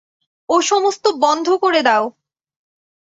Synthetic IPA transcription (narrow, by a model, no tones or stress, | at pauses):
oʃɔmost̪obɔnd̪ʱokoɾed̪ɛo